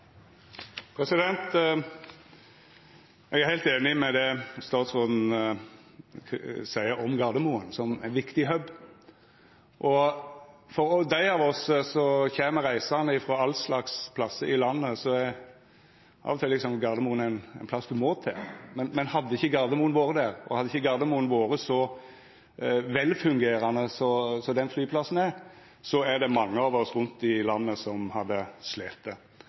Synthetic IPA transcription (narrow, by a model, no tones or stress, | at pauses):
pʰɾɛsɪd̪ɛnt̪ | ɛɡæɾhæɪlt̪eːnɪmɛd̪ɛst̪ɑːt̪sɔnn̩ | sæɪəʔɔmɡɑd̪əmuənsɔmæ̰ɪnʋɪkt̪ɪɦœb | ʔɔ | fɔɾɔd̪æɪɑːʋɔssɔçeːməʁæɪsənəɪfɾoːɑlslɑkspʰlɑsəɪlɑnːəsɔɛ | ʔɑ̰ːʋɔt̪ʰɪlːɪksɔmɡɑd̪əmuːənæɪnæɪnpʰlɑsd̪ʉmoːt̪ʰɛ̰mɛnmɛnhɑd̪ːəɪçːəɡɑɾd̪əmuːənʋoːɾəd̪æɾɔ̰hɑd̪ːəɪçːəɡɑɾd̪əmuːənʋoːɾəsɔ | ʋɛlfʉŋɡeːɾɑnːəsɔsɔd̪ɛnflyːpʰlɑsːn̩æɾ | sɔæd̪ɛmɑŋːəɑːʋɔsɾʉnt̪d̪ɪlɑnːəsɔmhɑd̪ːəsleːt̪ːə